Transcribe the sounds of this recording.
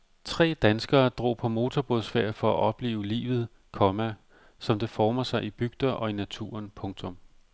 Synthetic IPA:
t͡sʰʁɛ̰ːd̥ænsɡ̥ɐːd̥ʁo̝̰ːpʰɒ̽mo̝ːt͡sʰɒb̥o̝ðˠsfeɐ̰fɒ̽æʔɒ̽b̥le̝̰ːʊlḭːʋð̞̩ˠ | kʰɒ̽mæ | sɒ̽md̥e̝fɒːmɐsɑ̈ɪib̥yɡ̥̚d̥ɐʔɒ̽inæt͡sʰṵːɐnpʰɔ̽ŋt͡sʰɔ̽m

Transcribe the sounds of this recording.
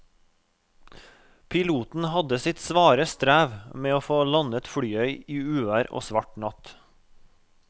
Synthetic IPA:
pʰɪluːt̪n̩hɑd̪əsɪt̪sʋɑːɾəst̪ɾæːʋmeːoːfoːlɑnət̪fɽyːœʏiːʉːʋæːɾo̰ːsʋɑʈɳɑt̪

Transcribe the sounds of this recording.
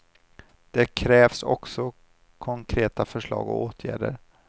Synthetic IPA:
d̪̥ɛkʰɾɛːvsɔ̰ksɔ | kʰɔŋkʰɾeːt̪afœʂɭɑ̰ːɡɔ̰oːt̪ʰjæ̰ːɖəɾ

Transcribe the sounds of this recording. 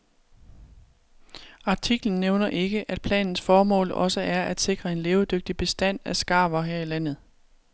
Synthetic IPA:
ɑ̈t͡sʰiɡ̥ln̩ːeʊnɐʔe̝ɡ̥əʔæd̥̚pʰlɛ̰ːnn̩sfɒːmɔ̰̽ːlɒ̽səʔæɐʔæd̥se̝ɡ̥ʁɐe̝nleːʊd̥øɡ̥̚d̥ib̥e̝sd̥æn̰æsɡ̥ɑ̈ːʋɐɦeɐ̰ilæn̰ð̩ˠ

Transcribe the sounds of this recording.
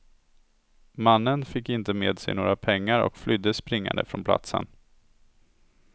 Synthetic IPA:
manːənfɪkːɪnt̪əmeːd̪sɛjnoːɾapʰɛŋːaɾɔ̰kflʏd̪ːəspɾɪŋːa̰nd̪əfɾɔnpʰla̰t̪sə̰n

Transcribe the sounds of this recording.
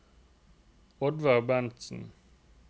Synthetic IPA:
ɔd̪ʋɑʁbɛnt̪sn̩

